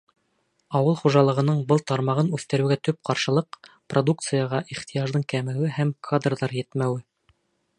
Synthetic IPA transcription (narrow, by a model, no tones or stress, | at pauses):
ɑwɤlˠχuʒɑlˠɤ̆ʁɤ̆nɤɴbɤlˠt̪ɑɾmɑʁɤnʉθt̪ɘ̆ɾɘ̆wɡæt̪ɵp̚qɑɾʃɤ̆lˠɤq | prod̪ukt̪sɨjɑʁɑʔiχt̪ĭjɑʒd̪ɤɴkæmæwɘhæmkʰad̪rðɑɾjɘ̆t̪mæwɘ